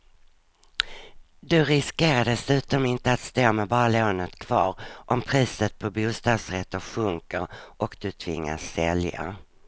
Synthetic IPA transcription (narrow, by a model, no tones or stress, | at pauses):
d̪ɵɾɪskeːɾad̪ɛsʉ̟ːt̪ɔmɪnt̪əat̪st̪oːmɛbɑːloːnət̪kʰv̥ɑ̰ːɾʔɔmpʰɾiːsət̪̚pʰɔbuːst̪ɑːd̪sɾɛt̪ːʊɧɵŋkəɾʔɔkd̪ɵt̪ʰvɪ̰ŋːa̰sːɛlja̰